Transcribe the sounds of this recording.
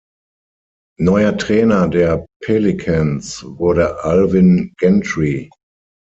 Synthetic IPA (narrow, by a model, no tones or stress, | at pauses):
nɔɪɐtʁ̥ɛːnɐdeːɐpʰelikʰãnsvʊɐɾəʔalvɪnɡ̥ɛntʁi